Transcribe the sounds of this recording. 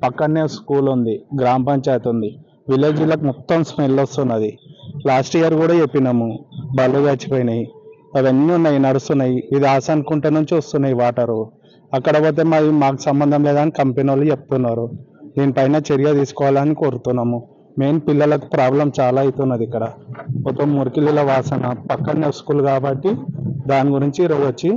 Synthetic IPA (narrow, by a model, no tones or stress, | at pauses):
pɐkːɐnːeːskuːlund̪iɡɾaːmpɐnt͡ʃeːt̪und̪i | ʋileːd͡ʒilːɐkumɔt̪ːɐmsmelːost̪unːɐd̪ilaːsʈiːjɐɾkuːɽaːt͡ʃepːinɐmubɐlːod̪aːt͡ʃi̥poːjinɐji | ɐʋɐnːiunːaːjinɐɽust̪unːɐjiʋid̪iaːsɐnkuɳʈenuɲt͡ʃiɔst̪unːɐːjiʋaːʈɐɾu | ɐkːɐɽɐpoːt̪̬e̞ːmaimaːk̬u̥sɐmbɐnd̪ʱɐmlɛːd̪aːnikɐmpenɐlut͡ʃe̞p̚t̪unːaːɾud̪iːnipɐjnɐt͡ʃeɾijɐt̪iːsu̥kɔːʋalaːnikʲioɾut̪unːaːmu | me̞ːmupilːɐlɐku̥pɾaːblɐmt͡ʃaːlaːjit̪unːɐd̪ikːɐɽɐmɔt̪ːɐmːuɾukilːilɐʋaːsɐnɐpɐkːɐneɾskuːlukaːbɐʈːid̪aːniɡuɾiɲt͡ʃiːɾoːd͡ʒot͡ʃːi